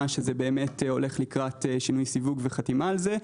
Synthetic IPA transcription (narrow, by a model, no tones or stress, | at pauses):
aʃezebe̞ːme̞to̞̰le̞χlikʁatʃinujsivuɡveχatimaːlze